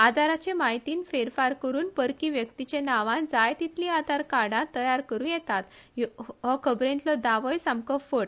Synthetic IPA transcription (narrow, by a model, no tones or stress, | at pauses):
ad̪ʱaɾat͡ɕẽmaɦit̪iːnfeɾfaɾkəɾuːnpəɾkiʋjəkt̪it͡ɕẽnaʋãnd͡zajt̪it̪lĩad̪ʱaɾkaɽãt̪əjaɾkəɾũːjɛt̪at̪ | ɦɔkʰəbɾẽnlɔd̪aʋɔjsamkəfəʈ